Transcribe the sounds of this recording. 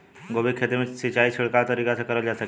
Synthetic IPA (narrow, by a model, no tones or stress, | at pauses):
ɡoʋikʰet̪emisit͡ɕaiɕiɭkaʋt̪əɾikasakəɾəʋljasa